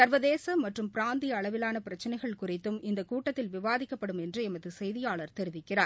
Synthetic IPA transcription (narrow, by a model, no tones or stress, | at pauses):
sɐɾʋɐðeːsɐmːɐʈrɯmpɪɾaːnd̪ɪjɐːɭɐʋɪlaːnɐpɪɾɐt͡ʃːɐnɐɪɣɐɭkʊrɪt̪ːɯmɪnd̪ɐkuːʈːɐt̪ːɪlʋɪʋaːðɪkːɐpːɐɽɯmɛndrɯɛmɐðɯsɛjðɪjaːɭɐɾt̪ɛɾɪʋɪkːɪraːɾ